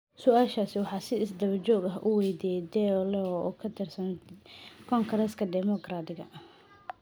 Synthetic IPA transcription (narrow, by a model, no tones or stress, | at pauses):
sʊaːʃaːsɪwɑħɑːsɪɪsd̪ɐβɐt͡ʃɔːɡɐɦʔʊ̰wɛjd̪iːjɛd̪ɛɔlɛɔɔkʰɐt̪ʰɪrsɐn | kʰɔŋɡɾɛskʰɐd̪ɛmɔɡraːd̪ɪɣɐ̰